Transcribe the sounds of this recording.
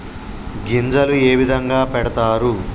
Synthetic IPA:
ɡind͡ʒɐlueːʋid̪ʱɐŋɡaːpɛɽɐt̪aːɾu

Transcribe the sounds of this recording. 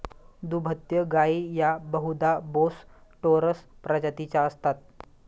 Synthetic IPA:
d̪ubʱət̪jəɡaijabəɦud̪abosʈoɾəspɾəd͡ʑət̪it͡ɕjaəst̪at̪̚

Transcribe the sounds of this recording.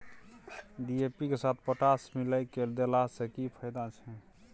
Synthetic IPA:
ɖiepikesat̪ʰpəʈasmiləjkeld̪elasekipʰəjd̪at͡ʃʰɛ

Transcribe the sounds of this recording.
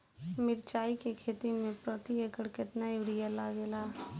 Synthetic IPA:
mɪɾt͡ʃaːikekʰeːt̪imẽpɾɔt̪iekəɽkɪt̪naɪʋɾijalaːɡeːlaː

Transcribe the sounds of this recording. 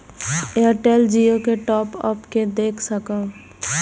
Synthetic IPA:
eɾʈeːld͡ʒijokeʈɔːpɔ̰pked̪eːkʰsəkə

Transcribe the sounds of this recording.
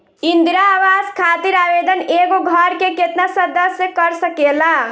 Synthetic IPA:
ind̪iɾawad͡zkʰat̪iɾabed̪ʱəneɡoɡʱʌɾkeket̪nasʌd̪əsjəkʌɾsəkela

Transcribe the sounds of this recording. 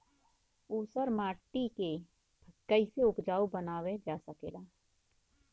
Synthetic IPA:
uːsəɾmaːʈːike | bʰʱkəiseʊkd͡ʒaːubənaːwed͡ʒaːsəkeːlaː

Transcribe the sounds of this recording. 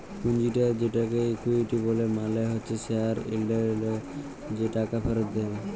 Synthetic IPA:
kund͡ʒiʈad͡ʑeʈakekuiʈibolemaleɦoːt͡ʃʰeseaɾḭlɖelɔ | d͡ʑeʈakapʰɛɾɔd̪ee

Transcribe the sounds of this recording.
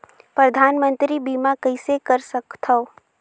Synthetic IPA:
pɾɐd̪ʱaːnmə̃nt̪ɾibiːmakɐɪsekəɾsɐkt̪ʰəo

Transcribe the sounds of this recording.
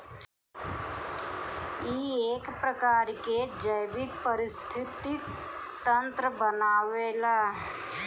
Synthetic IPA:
ieːkpɾəkaːɾked͡ʒəjbɪk̚pəɾɪst̪ʰɪt̪i | t̪ə̃nt̪ɾəbənaːʋeːlaː

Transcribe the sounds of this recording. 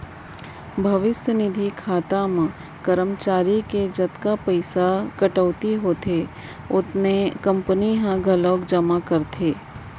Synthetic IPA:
bʱɐʋɪsjənɪd̪ʱikʰaːt̪amẽ | kɐɾəmt͡ʃaːɾiked͡ʒɐt̪kapəɪsakɐʈəːt̪iɦoːt̪ʰe | ʊt̪nekɐ̃mpəniɦãɡʱɐlɔːkd͡ʒɐmakɐɾt̪ʰeː

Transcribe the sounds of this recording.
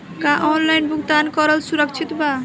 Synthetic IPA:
kaʔɔnlajnbuɡt̪ankɔɾəlsuɾək̚t͡ʃʰit̪ba

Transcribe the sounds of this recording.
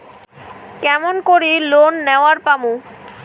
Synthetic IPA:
kɛmonkoɾilonːeoaɾpamũ

